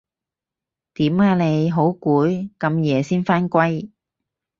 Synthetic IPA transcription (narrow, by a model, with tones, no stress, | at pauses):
t̪iː˨˥maː˧ne˨˧jɦo˨˥wkuː˨˥jkɐ˧mjɛː˨˧siː˥nfaː˥nkʷɐ˥j